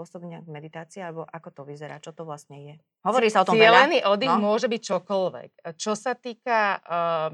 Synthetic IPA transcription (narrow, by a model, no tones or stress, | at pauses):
ɔsɔbɲɛɡmɛd̪it̪aːt͡siːalɛbɔʔakɔt̪ɔʋizɛɾa̰ːt͡ʃɔt̪ɔʋlast̪ɲɛjɛ | ɦɔʋɔɾiːsaɔt̪ɔmɪɛlɛniːʔɔd̪ixmʊɔʒɛbic̚t͡ʃɔkɔlʋɛ̰kt͡ʃɔsat̪iːka